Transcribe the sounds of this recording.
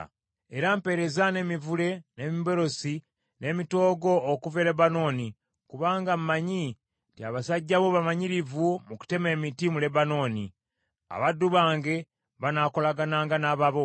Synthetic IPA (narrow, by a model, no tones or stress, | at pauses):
e̞ɾampe̞ɾe̞zane̞mivule̞ne̞mibo̞ɾo̞si | ne̞mito̞ːɡo̞ːkuve̞le̞bano̞ːni | kuβaːŋɡammaɲi | tiaβasaɟːaβo̞βamaɲiɾivumuku̥te̞me̞ːmitimule̞bano̞ːni | a̰βadːuβaːŋɡe̞ | βanako̞laɡanaːŋɡanaβaβo̞